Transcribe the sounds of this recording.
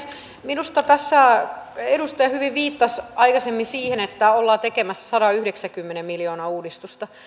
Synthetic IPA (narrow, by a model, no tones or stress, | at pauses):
minust̪ɑt̪æsːæedust̪ɑjɑhyʋiʋʋiːt̪ːɑsɑikɑsemːinsiːhenet̪ːæolːɑːt̪ekemæsːæ̥sɑɾɑyhɾeksækymːenemmiljoːnɑuːdist̪ust̪ɑ